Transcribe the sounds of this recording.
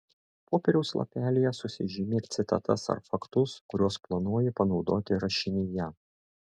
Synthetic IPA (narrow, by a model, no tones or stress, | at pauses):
poːpʲɛɾʲɛʊslˠɐ̰pʲæːlʲɪjɛsʊsʲɪʒʲɪmʲeɾʲt̪sʲɪt̪ɐ̰t̪ɐsɐ̰ɾfɐkt̪ʊskʊɾʲuɔsplˠɐnuɔːjɛpɐnɒʊd̪oːt̪ʲɪɾɐʃʲɪnʲɪjɛ